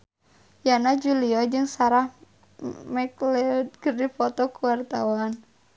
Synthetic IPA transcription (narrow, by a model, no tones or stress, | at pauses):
janad͡ʒuliɔd͡ʒɨŋsaɾah | mɛklɛd̪̚kɨrdifɔt̪ɔkuwart̪awan